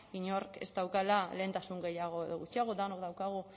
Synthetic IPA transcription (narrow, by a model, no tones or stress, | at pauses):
iɲoɾkḛst̪awkalale̞ːnt̪asuŋɡe̞jaɣ̞oeðoɣut͡ʃiaɣ̞o̞d̪anokd̪awkaɣ̞u